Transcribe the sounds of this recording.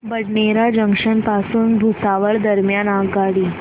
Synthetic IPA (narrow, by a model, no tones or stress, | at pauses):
bəɽɳeɾad͡ʑəŋkʂənpasuːnbʱusaʋəɭd̪əɾmjanaɡaɽi